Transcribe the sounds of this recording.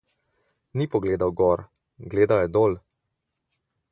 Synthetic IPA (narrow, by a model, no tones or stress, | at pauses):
niːpɔɡleːd̪awɡɔɾ | ɡleːd̪ajɛd̪oːl